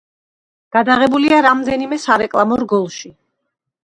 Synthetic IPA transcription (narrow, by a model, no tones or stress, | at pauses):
ɡ̥ad̪aʁɛbuliaɾamd̪ɛnimɛsaɾɛkʼlˠamɔɾɡɔlˠʃi